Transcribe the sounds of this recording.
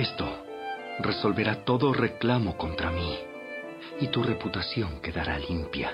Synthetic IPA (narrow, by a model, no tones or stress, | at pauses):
est̪o | reso̞lβe̞ɾat̪o̞ðo̞re̞klamo̞kont̪ɾami | it̪ure̞put̪asjo̞ŋke̞ðaɾa̰limpja̰